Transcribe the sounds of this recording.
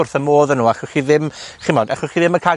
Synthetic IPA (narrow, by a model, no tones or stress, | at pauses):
ʊrθəmoːðənuːaχʊχiðɪmχimɔdaχɔχiðɪməkʰa